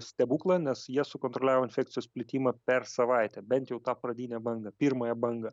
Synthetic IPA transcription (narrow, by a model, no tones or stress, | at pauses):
sʲt̪ʲɛbuːklˠɑnʲɛsjiɛsʊkoːnt̪ɾolʲæːʋoːɪnʲfʲɛːkt̪sʲɪjoːsʲpʲlʲɪt̪ʲiːmɑpʲɛɾsɐʋɐɪt̪ʲɛbʲɛnt̪jɛʊt̪ɑːpɾɐd̪ʲiːnʲɛbɐŋɡɐpʲiːɾmɐjɛbɐŋɡɐ